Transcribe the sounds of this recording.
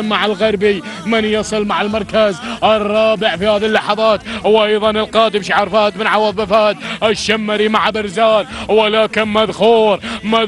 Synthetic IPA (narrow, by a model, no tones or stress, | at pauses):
maʕalɣaɾˤbi | mɪnjɑsˤɨlmaʕalmɑɾˤkazʔɪrˤːɑːbɪʕfihaːðilːɑħɑðˤɑːt̪wʔɑjðˤɑnɪlqɑːd̪ɪmʃiʕɑɾˤfaːt̪mɪnʕɑwɑðˤbɪfaːt̪ʔɪʃːamːaɾimaʕbɪɾzaːnwalaːkɪnmaðxuːɾmað